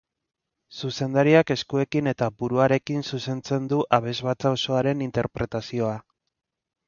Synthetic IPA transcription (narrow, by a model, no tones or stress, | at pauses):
suse̞nd̪aɾiake̞skue̞kine̞t̪abuɾuaɾe̞kinsuse̞nt͡se̞nd̪uʔaβ̞e̞zβat͡saoso̞aɾe̞nint̪e̞ɾpɾe̞t̪asio̞a